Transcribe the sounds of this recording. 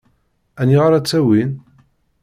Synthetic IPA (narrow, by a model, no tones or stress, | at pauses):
ænːiʁaɾˤæt͡sːæwin